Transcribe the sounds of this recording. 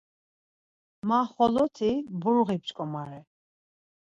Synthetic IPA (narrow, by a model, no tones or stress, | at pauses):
maχɔlɔt̪ʰibuɾuʁip̚t͡ʃkʼɔmaɾɛ